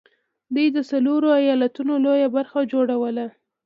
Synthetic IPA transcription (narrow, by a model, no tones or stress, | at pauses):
d̪ujd̪əsaloɾoajɑlat̪unolojabaɾxad͡ʒoɽawəla